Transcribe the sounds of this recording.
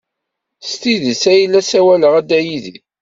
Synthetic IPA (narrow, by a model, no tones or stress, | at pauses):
st̪iðisæjlːæsæwæləʁæd̪æjiði